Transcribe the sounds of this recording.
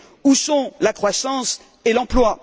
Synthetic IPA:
usɔ̃lakχwasɑ̃s | elɑ̃plwa

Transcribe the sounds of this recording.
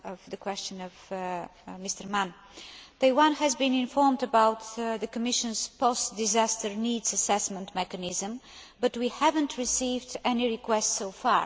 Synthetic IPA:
ʌvðɨkwɛst͡ʃɨ̃nɔv̥ | mɪstə˞mãn | ðəɪwãnhɨzbĩnɪ̃nfɔɹmdəbaʊt̪ðəkəmɪʃɨ̃nz̥pɔst̚d̪ɪzæstəɹnidzəsɛsmə̃ntmɛkənɪzə̃m | bʌtwihævə̃ntʰɹɪsivdɛniɹikwɛstsoʊfɑ̰ɹ

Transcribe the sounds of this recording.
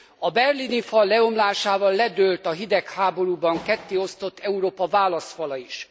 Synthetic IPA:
ɒbɛrlinifɒlːɛo̞mlaːʃaːvɒlːɛd̪ølt̪ɒɦid̪ɛkhaːbo̞ɾuːbɒŋkɛt̪ːeːo̞st̪o̞t̪ːɛuɾoːpɒvaːlɒst̪fɒlɒiʃ

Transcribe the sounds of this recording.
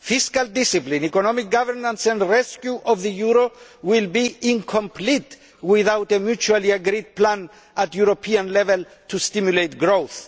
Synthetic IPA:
fiskald̪isiplĩnikɔnɔmik̚ɡavɛɾnãnsɛ̃ndɹɛskjuʔɔvðəjuɾowilbiĩŋkʰɔ̃mplit | wiðawtemjut͡ʃualiaɡɾid̚plãn | atjuɾopʰiãnlɛvɛl | t̪ʰust̪imjulejt̚ɡɹoθ

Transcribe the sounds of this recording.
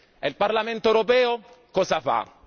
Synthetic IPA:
ɛlparlament̪oewɾopɛːo | kɔːzafa̰

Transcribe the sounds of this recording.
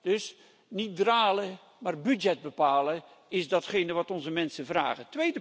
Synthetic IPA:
d̥ɵs | nit̚draːlə | maːrbydd͡ʒɛd̚bəpaːlə | ɪzdɑtχejnəʋɑtɔnzəmɛnsəvra̰ːχətʋejdə

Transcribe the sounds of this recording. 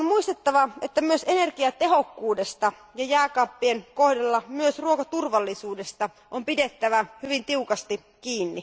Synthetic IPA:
onmuist̪et̪ːɑʋɑet̪ːæmyøsenerkiɑt̪e̞ɦokːuːdest̪ɑ | jɑjæːkɑpːienkohdelːɑmyøsruokɑt̪urʋɑlːisuːdest̪ɑ | ʔompidet̪ːæʋæhyʋint̪iukɑst̪i | kiːnːi

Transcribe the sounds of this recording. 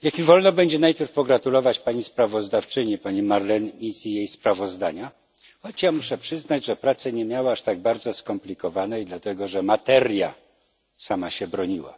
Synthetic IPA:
jakmʲivɔlnɔbɛɲd͡ʑɛnajpʲjɛɾfpɔɡɾat̪ulɔvat͡ɕpaɲispɾavɔzd̪aft͡ʂɘɲipaɲimaɾlɛnisijejspɾavɔzd̪aɲa | xɔt͡ɕjamuʂɛpʂɘznad͡ʑʐɛpɾat̪sɛɲɛmʲjawaaʂt̪aɡ̚baɾd̪zɔskɔmplʲikɔvanɛjd̪lat̪ɛɡɔʐɛmat̪ɛɾʲja̰ | samaɕɛbɾɔɲiwa̰

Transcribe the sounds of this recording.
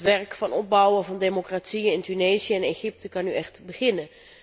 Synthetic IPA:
ʋɛrkfɑnɔb̚bʌwəvɑndemokraːtsiəɪntynejzijəɛnejχɪp̚təkɑnyʔɛχtbəχɪnə

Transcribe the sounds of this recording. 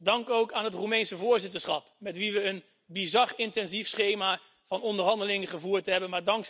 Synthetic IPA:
dɑŋkowkaːnɦətrumɛjnsəvʊːɹzɪtəɹsχɑpmɛtʋiʋəːn | bizɑrɪntɛnzifsχejmaː | v̥ɑnɔndəɹɦɑndəlɪŋəχəvuːɹtɦɛbənmaːɹdɑŋk

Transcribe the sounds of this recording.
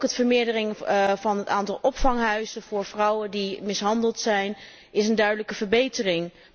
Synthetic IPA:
kɦətfəɹmɪːɹdərɪŋvɑnɦəta̰ːntɑlˠʔɔpfɑŋɦœɥzəvʊːɹv̥rɑwədimɪsɦɑndəlˠtsɛjn | ɪsəndœɥdələkəvəɹbejtərɪŋ

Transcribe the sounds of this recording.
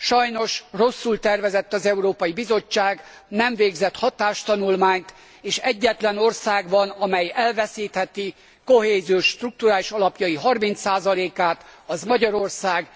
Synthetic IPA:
ʃɒjno̞ʃro̞sːult̪ɛrvɛzɛt̪ːɒzɛuɾoːpɒjibizo̞t͡ʃːaːɡ | nɛɱveːɡzɛt̪hɒt̪aːʃt̪ɒnulmaːɲt̪ | eːʃɛɟːɛt̪lɛno̞rsaːɡbɒnɒmɛjɛlvɛsiːt̪hɛt̪i | ko̞heːzioʃːt̪ruk̚t̪uɾaːliʃɒlɒpjɒjiɦɒrmint̪saːzɒleːkaːt̪ɒzmɒɟɒɾo̞rsaːɡ

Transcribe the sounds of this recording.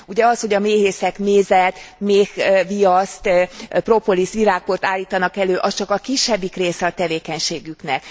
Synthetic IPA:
uɟɛɒsho̞ɟɒmeːɦeːsɛkmeːzɛt̪meːkvijɒst̪pro̞po̞lisʋiɾaːk̚port̪aːlːiːt̪ɒnɒkɛløːʔɒst͡ʃɒkɒkiʃːɛbːikreːsɛɒt̪ɛveːkɛɲʃeːɡyknɛk

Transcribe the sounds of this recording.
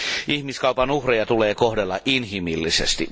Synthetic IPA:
ihmiskɑupɑnuhrejɑt̪uleːkohdelːɑʔinhimilːisḛst̪i

